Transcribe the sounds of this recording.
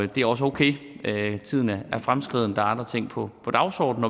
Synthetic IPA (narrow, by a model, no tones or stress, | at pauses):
d̥e̝æɐɒ̽s̬əoʊkʰḛːt͡sʰið̰ˠənææɐfʁamsɡ̥ʁið̞̰ˠnəd̥ɑ̈ɑ̈nd̥ʁɐt͡sʰe̝ŋ̰pʰɒ̽pʰɒ̽d̥ɑ̈ʊsɒ̰ːd̥n̩ːɒ